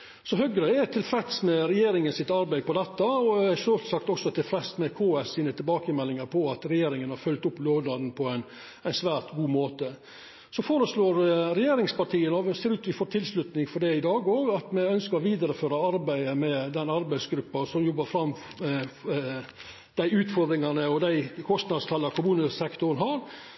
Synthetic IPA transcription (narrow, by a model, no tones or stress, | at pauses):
sɔɦœɡɾəɛt̪ʰɪlfɾɛt̪smɛɾɛjeːɾɪŋənsɪt̪ɑɾbæɪpɔd̪ɛt̪ːɑɔɛʂøːlsɑkt̪ɔksɔt̪ʰɪlfɾɛt̪smɛkʰoːɛsiːnət̪ʰɪlbɑːkəmɛlːɪŋɑɾpʰɔɑt̪ɾɛjeːɾɪŋənhɑɾfœlt̪ʊpːloːd̪ɑd̪n̩pʰɔæɪn | æɪnsʋæːɾt̪ɡuːmoːt̪ə | sɔfoːɾəsloːɾɾɛjeːɾɪŋspɑʈʰiːənɔʋseːɾʉːt̪ʋɪfoːt̪ʰɪlslʉt̪nɪŋfɔɖɛɪd̪ɑːɡoːɡɑt̪mɛœnskəɾɔʋiːd̪ɑɾəføːɾɑɑɾbæɪd̪əmɛd̪ɛnɑɾbæɪsɡɾʉpːɑsɔmjɔbːɑɾfɾɑm | d̪̥æɪʉːt̪fɔɾd̪ɾɪŋɑnəɔd̪æɪkʰɔst̪nɑd̪st̪ʰɑlːɑɾkʰʊmʉːnəsɛkt̪ʊɾənɦɑːɾ